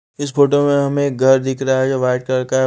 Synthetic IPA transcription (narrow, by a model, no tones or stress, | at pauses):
ɪsfoːʈomẽɦɐmẽːk̚ɡʱɐɾd̪ɪkʰɾaɦɛd͡ʒoʋaːɪɖ̚kɐɾkaɦɛ